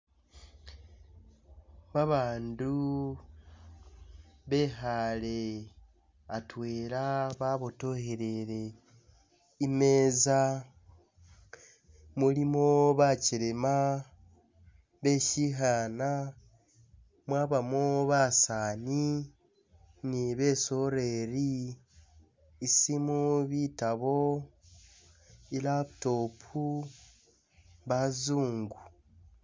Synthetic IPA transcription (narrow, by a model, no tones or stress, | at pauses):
βaβaːndu | βe̞ɦale | atweːɾaβaβoto̞heɾeɾe̞ | imeːza | mulimoβaciɾema | βe̞ʃiɦaːna | mwaːβamoβasaːni | niβe̞ːso̞ɾe̞ɾi | simuβitaβo̞ | ilaβuto̞ːpʰu | βazuːŋɡu